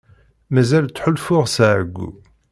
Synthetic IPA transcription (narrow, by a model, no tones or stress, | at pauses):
mæzælt͡sːħʊlfʊʁsʕɡʷːṵ